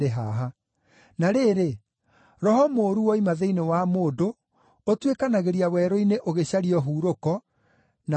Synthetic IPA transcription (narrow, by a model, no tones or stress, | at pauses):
eɦaɦa | naɾeɾe | ɾɔhɔmoːɾuwɔimaðeinewamoːdo | otwekanaɣeɾiawɛɾɔineʔoɣeɕaɾiɔɦuːɾokɔ | na